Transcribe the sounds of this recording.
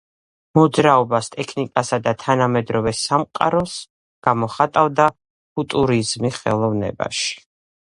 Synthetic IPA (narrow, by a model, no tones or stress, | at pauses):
mɔd̪zɾaɔbast̪ʼɛkʰnikʼasad̪at̪ʰanamɛd̪ɾɔvɛsamqʼa̰ɾɔs | ɡ̥amɔχat̪ʼavd̪a | fut̪ʼuɾizmiχɛ̰lˠɔvnɛ̰ba̰ʃi̥